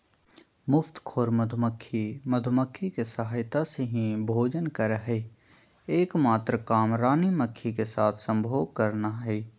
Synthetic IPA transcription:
mʊft̪kʰoːɾməd̪ʱməkʰːiməd̪ʱʊməkʰːikesəɦaːjt̪aseɦĩbʱoːd͡ʒənkəɾɦɛ | eːkmaːt̪ɾəkaːmɾaːniməkʰːikesaːt̪ʰsə̃mbʱoːɡ̚kəɾnaɦɛː

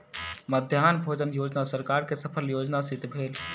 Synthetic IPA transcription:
məd̪ʱjaːnbʱoːd͡ʒənjoːd͡ʒnasəɾkaːɾkesəpʰəljoːd͡ʒnasit̪bʱeːl

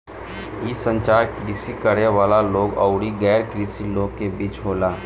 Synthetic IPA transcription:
ɦiːsəɲt͡ʃaɾkɾisiːkəɾeʋalaloɡə̰wɽiːɡɛjɾkɾisiːlokebiːt͡ʃɦola

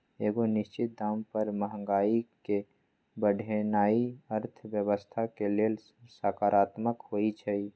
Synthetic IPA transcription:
eːɡonɪst͡ʃɪt̪̚d̪aːmpəɾməɦə̃ŋɡaːike | bəɖʱenaːiəɾt̪ʰbjəwəst̪ʰakeleːl | saːkaːɾʔaːt̪məkhoit͡ʃʰɛi

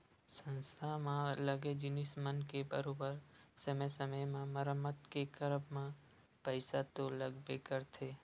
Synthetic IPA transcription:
sə̃nst̪ʰamãləɡed͡ʒɪnɪsmənkebəɾoːbəɾsəməjsəməjmãməɾəmːət̪kekəɾəbmã | pəɪsat̪oləɡbekəɾt̪ʰeː

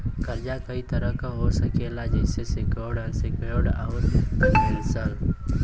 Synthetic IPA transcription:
kəɾd͡ʒakəit̪əɾəkaɦosəkelad͡ʒɛɪsesekəːɽəsekəɽa̰oɪnsəl

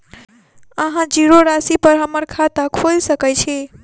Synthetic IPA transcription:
əɦãd͡ʒiɾoɾasipəɾɦəməɾkʰat̪akʰolsəkɛt͡ʃʰɛ

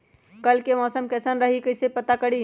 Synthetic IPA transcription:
kəlkemɔsəmkɛsənɾəɦikəjsepət̪akəɽi

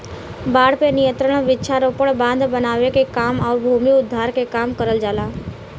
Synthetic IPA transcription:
baːɽ̤penɪjə̃nt̪ɾəɽ̃ʋɪtːʃʰaɾoːpəɽbãːnd̪ʱbənaːʋekekaːmɔːɾbʱuːmiʊd̪ʱːaːɾkekaːmkəɾəld͡ʒaːlaː

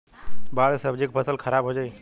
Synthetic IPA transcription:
baːɽsəbd͡ʒikpʰəsəlkʰəɾaːbɦod͡ʒaːiː

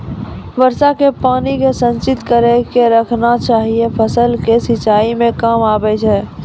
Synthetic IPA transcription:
ʋəɾsakepaːnikesə̃nt͡ʃɪt̪kəɾɛkeɾəkʰnat͡ʃaːɦiepʰəsəlkesɪt͡ʃaːimẽkaːmaːbɛt͡ʃʰɛː

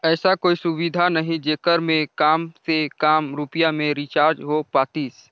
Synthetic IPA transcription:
ɛːsakoːisʊwid̪ʱanɐɦĩd͡ʒeːkəɾmẽkaːmsekaːmɾʊpjamẽɾit͡ʃaːɾd͡ʒɦopaːt̪iːs

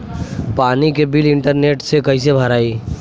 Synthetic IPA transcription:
paːnikebɪlɪ̃ɳʈəɾneːʈsekɐɦis̬ebʱɐɾaːiː

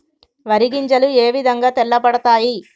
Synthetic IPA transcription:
ʋɐɾiɡiɲt͡ʃɐlueːʋid̪ʱɐŋɡaːt̪ɛɭːɐpɐɽɐt̪aːji

